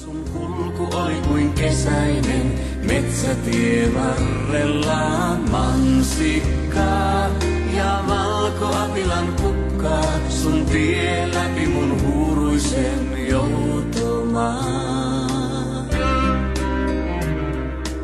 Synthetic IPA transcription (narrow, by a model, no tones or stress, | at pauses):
suŋhulkuʔolikuiŋkɛsainɛŋ | mɛt̪sat̪ieβaːɛlamaŋsikːa | ja | βalkoʔapilaŋkukː | a | suŋt̪ie | lapimunɦuɾusɛ | m | jout̪o | ma